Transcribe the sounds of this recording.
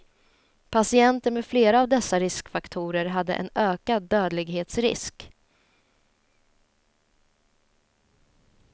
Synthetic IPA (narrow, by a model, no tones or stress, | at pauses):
pʰasɪɛnt̪əɾmɛfleːɾaːvd̪ɛsːaɾɪskfakt̪ʰuːɾəɾɦad̪ːə̰ʔɛ̰nøːkad̪ːøːd̪lɪɡɦeːt̪sɾɪ̰sk